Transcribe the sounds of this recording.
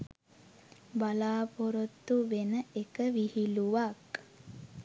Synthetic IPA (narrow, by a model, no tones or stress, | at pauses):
balaːpoɾot̪ːuʋenəekəʋihiluʋak